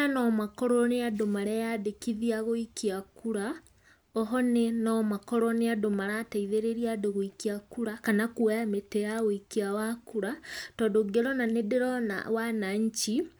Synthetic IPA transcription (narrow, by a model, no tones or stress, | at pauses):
anɔmakɔɾɔneadomaɾɛjadekiðiaɣoikiakuɾa | ɔɦɔnenɔmakɔɾɔneadomaɾataiðeɾeɾiadoɣoikiakuɾakanakuɛjametɛjaɣoikiawakuɾatɔdoɡeɾɔnanedeɾɔna̰wanaɲ̩t͡ʃi